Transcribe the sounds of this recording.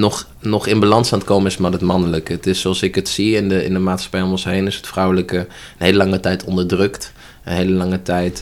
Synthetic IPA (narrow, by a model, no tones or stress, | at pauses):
nɔχ | nɔχɪnbalɑnsaːntkowmənɪsmaːɹɦətmɑnələkəətɪsoɑlˠsɪkətsiɪndəɪ̰ndəmaːtsχɑ̥pɛjɔmɔnsɦejnɪsə̥tfrʌwləkə | ənɦejləlɑŋətɛjtʰɔndəɹdrɵkt | ənɦejləlɑŋətɛjt